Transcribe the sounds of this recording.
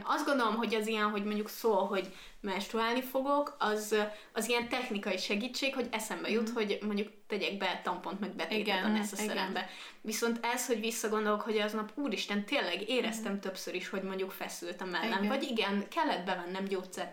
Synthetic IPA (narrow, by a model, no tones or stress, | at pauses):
ɒzd̪ɡond̪o̞lo̞mɦo̞ɟɛzijɛnɦo̞ɟmo̞ɲɟuksoːlɦo̞ɟ | mɛʃt̪ɾuaːlnifo̞ɡo̞kɒz | ɒzijɛnt̪ɛxnikɒiʃɛɡiːt͡ʃːeːkho̞ɟɛsɛmbɛjut̪ho̞ɟmoɲɟukt̪ɛɟɛɡ̚bɛt̪ɒmpont̪mɛɡ̚bɛt̪eːɛonɛst̪ɒsɛɾɛmbɛ | ʋiso̞nt̪ɛsho̞ɟʋisːɒɡo̞nd̪olokho̞ɟɛznɒpuːɾiʃt̪ɛnt̪eːlːɛɡeːɾɛst̪ɛmt̪ø̞psøɾiʃho̞ɟmoɲɟukfɛsylt̪ɛmɛnːɛnvɒɟiɡɛnkɛlːɛd̪bɛvɛnːɛmɟoːt̪sɛr